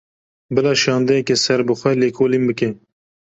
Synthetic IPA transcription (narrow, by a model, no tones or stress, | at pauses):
bɨlɑːʃɑːnd̪ɛjɛkesɛɾbɨxʷɛleːkʰoːlimbɨke